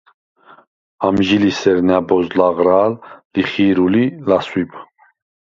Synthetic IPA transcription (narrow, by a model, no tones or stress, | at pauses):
amʒilisɛɾnɛbɔzlaʁɾalːiχiɾulilaswib